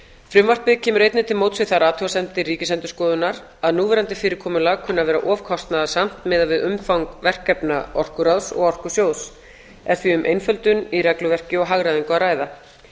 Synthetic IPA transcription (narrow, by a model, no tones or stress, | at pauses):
fɾʏmvar̥pɪðcʰɛːmʏɾejt̪nɪt̪ʰɪlmoːwt̪svɪθaɾaːt̪ʰʏasɛnt̪ɪriːcɪsɛnt̪ʏ̥skɔːðʏnaɾ | aðnuːvɛːɾant̪ɪfɪːɾɪɾkʰɔːmʏlaɣkʰʏnːavɛːɾaʔɔːvkʰɔst̪naðasam̥t̪mɛːðaðvɪðʏmfawŋkvɛr̥kːɛpnaɔr̥kʏɾaðsɔ̰ɣɔr̥kʏsjoːws | ɛɾ̥θviʏmʔḛjnfœlt̪ʏnirɛklʏvɛr̥cɪɔɦaɣɾaðiŋkʏaraːjða